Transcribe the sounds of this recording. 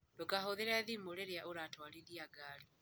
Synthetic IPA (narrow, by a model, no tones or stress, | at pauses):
dokaɦoðeɾaðimoɾeɾejaʔoɾatwaliɾiaɡaːli